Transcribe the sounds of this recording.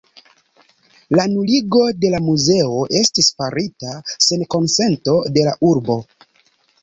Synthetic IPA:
lanuliɡo̞de̞lamuze̞o̞ʔe̞stisfaɾitase̞nko̞nse̞nto̞de̞laʔuɾbo̞

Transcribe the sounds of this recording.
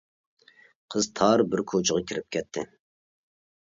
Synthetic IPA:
qʰəzt̪ʰɑɾbɪɾkʰot͡ʃʰəʁɑkʲʰiɾɪp̚kʲʰɛt̪ʰːɪ

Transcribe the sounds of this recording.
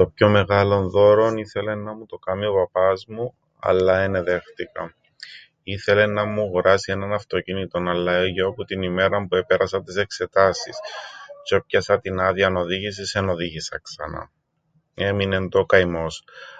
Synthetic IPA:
t̪o̞pço̞me̞ɣɐlo̞nðo̞ɾo̞niθe̞le̞nːɐmut̪o̞kɐmiopɐpɐzmu | ɐ̰lːɐene̞ðe̞xt̪ikɐ̰ | iθe̞le̞nɐmuɣɾɐsie̞nɐnɐft̪o̞cinit̪o̞nɐlːɐʝeoput̪inime̞ɾɐmpue̞pe̞ɾɐsɐnt̪ise̞kse̞t̪ɐsist͡ʃo̞pçɐsɐt̪inɐðiɐno̞ðiʝis̬iseno̞ðiʝisɐksɐ̰nɐ̰ | e̞mine̞nd̪okɐjmo̞s

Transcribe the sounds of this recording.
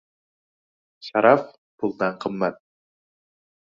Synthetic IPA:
ʃaɾɑf | pʰulˠd̪ɑɴqʰɤ̆mːæt̪̚

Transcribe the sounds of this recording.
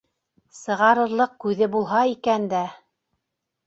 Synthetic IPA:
sɤ̆ʁɑɾɤ̆ɾlˠɤq̚kʉðɘbulˠɦɑikænd̪æ

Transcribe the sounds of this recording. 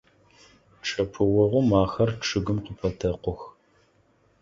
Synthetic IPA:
ʈ͡ʂʼʰɐpʰɨwɔʁʷʊmaːxɐrʈ͡ʂʰɨɡɨmqəpʰɐtʰɐqʷʊx

